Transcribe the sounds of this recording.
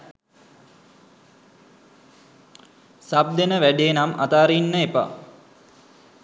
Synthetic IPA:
sab̚d̪enəʋæɖeenama̰t̪aːɾinːəepa̰

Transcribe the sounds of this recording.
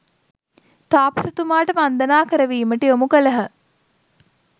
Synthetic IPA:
t̪aːpɐsɐt̪umaːʈəʋand̪ənaːkəɾəʋiːməʈiomukələɦə

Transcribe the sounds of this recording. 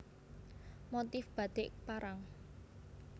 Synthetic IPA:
mot̪ɪfb̥a̤d̪̥ɪʔpaɾaŋ

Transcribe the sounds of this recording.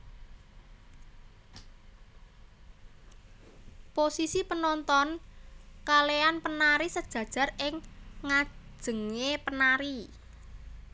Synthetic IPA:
posisipənɔnt̪ɔn | kaleanpənaɾisəd̥ʒ̥ä̤d̥ʒ̥a̤rɪŋːḁʒ̥ə̤ŋepənaɾi

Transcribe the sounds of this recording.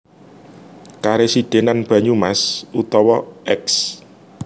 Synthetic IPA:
kaɾesiɖ̪̥e̤nanb̥ä̤ɲumasut̪ɔwɔʔɛks

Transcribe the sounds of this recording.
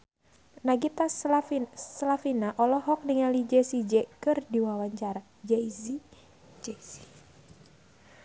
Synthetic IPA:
naɡit̪as | slafinaʔɔlɔɦɔk̚niŋalid͡ʒɛsid͡ʒɛkɨrdiwawaɲt͡ʃaɾa | d͡ʒɛizi | d͡ʒɛsi̥

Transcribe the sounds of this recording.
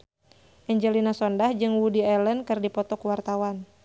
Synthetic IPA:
ʔɛɲd͡ʒɛlinasɔndahd͡ʒɨŋwudiɛlənkɨrdipɔt̪ɔkuwart̪awan

